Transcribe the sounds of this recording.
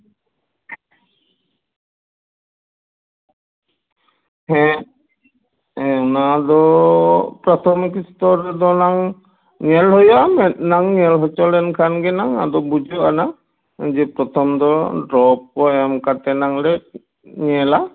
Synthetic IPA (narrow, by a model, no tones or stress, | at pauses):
ɦɛ̃ | ɛ̃ɔnad̪ɔ | pɾɔt̪ʰɔmkist̪ɔɾd̪ɔnaŋ | ɲɛlɦɔjɔamɛnaŋɲɛlɦɔt͡ʃɔlɛnkʰanɡɛnaŋa̰d̪ɔbud͡ʒɔana | d͡ʒɛpɾɔt̪ʰɔmd̪ɔdɾɔp̚ɔɛmkat̪ɛnaŋlɛ | ɲɛla